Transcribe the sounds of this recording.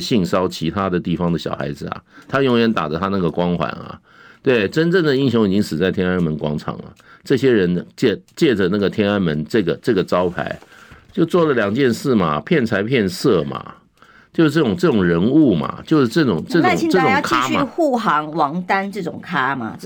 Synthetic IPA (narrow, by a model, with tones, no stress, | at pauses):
ɕi˥˩ŋʂɑ˥ʊt͡ɕʰi˧˥t̪ʰa˥d̪ə˨t̪i˥˩fɑ˥ŋd̪ə˨ɕjɑ̰˨˩ʊxa̰˧˥ɪd͡zɹ̩˩ɐ̰˩t̪ʰa˥jʊ˧˥˩ŋɥɛ˧˥nt̪a˨˩ʈ͡ʂə˦t̪ʰa˥na˥˩ɡə˩kwɑ˥ŋxwa̰˨˧˥nɐ̰˨˩ | t̪we˥˩ɪʈ͡ʂə˥nʈ͡ʂə˥˩ŋd̪ə˩i˥ŋɕjo˧˥ŋ̃i˨˩t͡ɕi˦˥ŋʂɻ̩˨˩t͡sa˥˩ɪt̪ʰjɛ˥na˥nmə˧˥nkwɑ̰˥ŋʈ͡ʂʰɑ̰˨˩ŋlə̰˦ʈ͡ʂɤ˥˩ɕjɛ˥ɻə˧˦nt͡ɕɛ˥˧t͡ɕjɛ˥˩ʈ͡ʂə˩na˥˩ɡə˩t̪ʰjɛ˥na˥nmə˧˥nʈ͡ʂɤ˥˩ɡə˩ʈ͡ʂɤ˥˩ɡə˩ʈ͡ʂɑ˥ʊpʰa̰˧˥ɪt͡ɕjo˥˧ʊt͡swɔ˥˩lə˩ljɑ˨˩ŋt͡ɕjɛ˥˧nʂɻ̩˥˩mɐ˩pʰjɛ˥˩nt͡sʰa˧˥ɪpʰjɛ˥˧nsɤ˥˩mɐ̰˩ | t͡ɕjo˥˧˥ʈ͡ʂɤ˥˩ʈ͡ʂʊ˨˩ŋʈ͡ʂɤ˥˩ʊ˨˩ŋɻə˧˥nu˥˩mɐ̰˩t͡ɕjo˥˧ʊʂɻ̩˥˧ʈ͡ʂɤ˥˩ʈ͡ʂʊ˨˩ŋʈ͡ʂɤ˥˩aʊ˥˩ŋʰi˥ʈ͡ʂɤ˥˩ʊ˨jkʰt͡ɕia˥˧˥ɕym˥˧xu˥˩xɑ˧˥ŋwɑ˧˥ŋt̪a˥nʈ͡ʂɤ˥˩ʈ͡ʂʊ˨˩ŋkʰa˥ma̰˨